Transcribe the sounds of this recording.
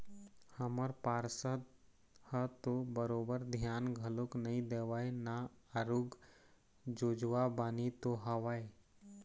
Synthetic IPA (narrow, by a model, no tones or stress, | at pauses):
həməɾpaːɾsə | hət̪obəɾoːbəɾd̪ʱjaːnɡʱəloknɐɦĩd̪eːʋaːenaaɾuɡ | d͡ʒoːd͡ʒʋabaːnit̪oɦɐʋaːe